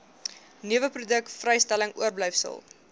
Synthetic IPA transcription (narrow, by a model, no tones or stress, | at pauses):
niəvəprudək̚tfrɛjstæləŋuərblɛjfsə̰lˠ